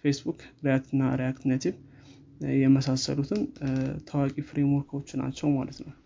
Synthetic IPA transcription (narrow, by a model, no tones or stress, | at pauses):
fesbukɾjakt̪ɨnːaɾjakt̪nat̪ʰiβ | jɛməsasə̰lut̪ʰɨnt̪ʰəwakʼifɾe̞mwoɾkʰo̞t͡ʃːna̰t͡ʃːɛwma̰lət̪nəw